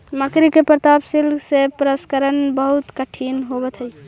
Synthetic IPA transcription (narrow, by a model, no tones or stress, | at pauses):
məkɾikepɾət̪apsilɡsepɾəskəɾənbəɦut̪kəʈʰinɦobɛt̪ɦəj